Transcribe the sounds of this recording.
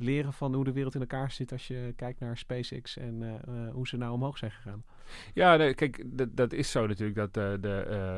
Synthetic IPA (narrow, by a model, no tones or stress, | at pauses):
lɪːɾənvɑnɦudəʋɪːrəlˠtɪnɛlˠkaːɹz̥ɪtɑsʃjəkɛjk̚tnaːɹspejsɪ̰ksɛnɦuz̥ənawɔmɦowχsɛjnχəχaːn | jaːnokɛjkddɑtɪsownatyːɹləɡ̚dɑtədə